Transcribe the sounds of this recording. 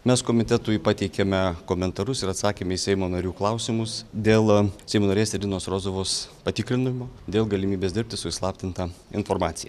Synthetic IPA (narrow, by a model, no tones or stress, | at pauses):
mʲɛskoːmʲɪt̪ʲɛt̪ʊpɑt̪ʲɛɪkʲɛmʲɛkoːmʲɛnt̪ɐɾʊsɪɾɐt̪sɑːkʲeːmʲɛisʲɛɪmoːnɐɾʲuːklˠɐʊsʲɪmʊsd̪ʲeːlˠsʲɛɪmoːnɐɾʲeːsʲɛd̪ʲɪnoːsɾoːzoʋoːspɐt̪ʲɪkɾʲɪnʊmoːd̪ʲeːlˠɡɐlʲɪmʲiːbʲeːsd̪ʲɪɾʲp̚ʲtʲɪsʊɪslˠɑːpʲt̪ʲɪnt̪ɑɪnfoːɾmɑːt̪sʲɪjɛ